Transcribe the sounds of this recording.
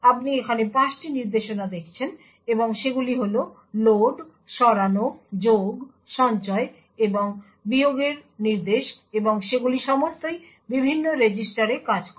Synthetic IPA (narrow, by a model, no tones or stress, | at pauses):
ap̚niekʰanepãsʈiniɾd̪eʃonad̪ekʰt͡ɕʰen | eboŋʃeɡuliɦolo | loɖ | ʃɔɾanod͡ʑoɡ | ʃɔnt͡ɕɔe | eboŋ | bioɡeɾniɾd̪eʃeboŋʃeɡuliʃɔmost̪oj | bibʱinːoɾed͡ʑisʈaɾekad͡ʑk